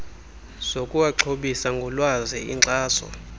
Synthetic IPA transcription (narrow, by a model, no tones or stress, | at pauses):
z̥okʼuwaǁʰoɓisaŋɡʱɔlwazɛ̰ḭǀaːsɔ̰